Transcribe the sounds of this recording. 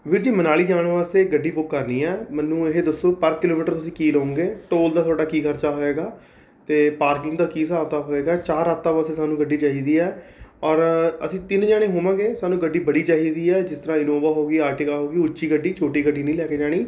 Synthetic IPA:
ʋɪɾd͡ʒiːmənaːliːd͡ʒaːɽ̃ʋaːst̪eːɡəɖːiːbʊkːəɾniːɛːmənːũːeɦeːd̪əsːoːpəɾkɪloːmiːʈəɾt̪ʊsĩːkiːləːõŋɡeːʈoːld̪aːt̪ʰoːɖaːkiːkʰəɾt͡ʃaːɦoːeːɡaː | t̪eːpaːɾkɪ̃ŋɡd̪aːkiːsaːʋt̪aːɦoːeːɡaːt͡ʃaːɾaːt̪aːʋaːseːsaːnũːɡəɖːiːt͡ʃaːɦiːd̪iːɛːɔːɾəsĩːt̪ɪnd͡ʒaːɽ̃ẽːɦoːʋãːɡeːsaːnũːɡəɖːiːbəɽiːt͡ʃaːɦiːd̪iːɛːd͡ʒɪst̪əɾãːɪnoːʋaːɦoːɡiːaːɾʈɪkaːɦoːɡiːʊt͡ʃːʃiːɡəɖːiːt͡ʃʰoːʈiːɡəɖːiːnəĩːlɛːkeːd͡ʒaːɽ̃iː

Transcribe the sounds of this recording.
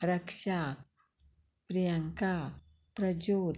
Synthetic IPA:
ɾɐkʂa | pɾijaŋka | pɾɐd͡ʒoːd̪

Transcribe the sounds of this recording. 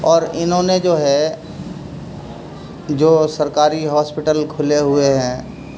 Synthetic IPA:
ɔːɾɪnɦõːned͡ʒoːɦɛ | d͡ʒoːsɐɾkaːɾiɦɔːspɪʈəlkʰʊleɦʊeɦɛ̃ː

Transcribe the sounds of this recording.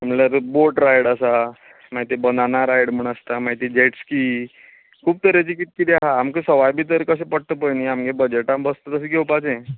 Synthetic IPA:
əmlaɾboɾʈɾajɽəsa | maɦit̪ibənanaɾajɽm̤əɳ̃əst̪amaɦit̪id͡ʑeʈskiː | kʰuːb̚t̪əɾet͡ɕikit̪̚ːkit̪iaɦaːmkesəʋajbiːt̪əɾkəs̬ẽpəɽ̚t̪əpəjniamɡẽbəd͡ʑeʈãmbəst̪ət̪əs̬iɡewpad͡zẽ

